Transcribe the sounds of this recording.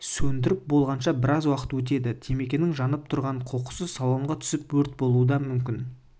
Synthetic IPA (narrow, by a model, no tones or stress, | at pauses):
sɵnd̪ɪɾɪp̚bo̞lˠʁɑnʃɑbɪɾɑzwɑqə̥t̪wɵt̪̬e̞d̪ɪt̪ʰe̞me̞kʲe̞nɪŋʒɑnəp̚t̪ʰʊɾʁɑɴqʰoqʊ̥səzsɑlˠoɴʁɑt̪ʰʏ̥sɪpwɵɾt̪̚bo̞lˠuəd̪ɑmʏmkʲɪn